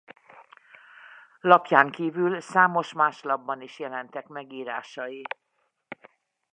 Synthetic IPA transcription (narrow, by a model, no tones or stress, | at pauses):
lɒpjaːŋkiːvylsaːmo̞ʃmaːʃlɒbːɒniʃjɛlɛnt̪ɛkmɛɡiːɾaːʃɒji